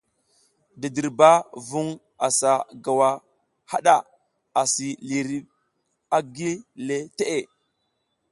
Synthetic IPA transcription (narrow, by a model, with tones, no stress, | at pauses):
di˨di˨ɾba˦vu˦ŋ | a˨sa˨ɡa˨wa˦ | ha˦ɗa˨ | a˨si˨li˨ɾi˦b | a˦ɡi˦le˦te˦ʔe˨